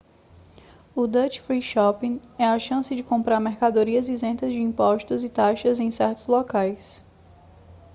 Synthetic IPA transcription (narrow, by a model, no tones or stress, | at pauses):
ʊd̪ɐt͡ʃfɾiʃɔpĩɛɐʃɐ̃sɪd͡ʒɪkõmpɾaɾmɛɾkad̪oɾiɐzizẽnt̪ɐzd͡ʒɪĩmpɔʃt̪ʊzɪt̪aʃɐzẽj̃sɛɾt̪ʊzlɔkajs